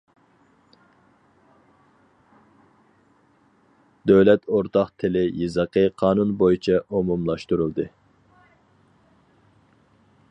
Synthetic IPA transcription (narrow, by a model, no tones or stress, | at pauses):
d̪øwlɛt̪oɾt̪ɑqt̪ʰɪlɪjɨzəqʰəqʰɑːnunbojit͡ʃʰɑʔumumlˠɑʃt̪uɾulˠd̪ɨ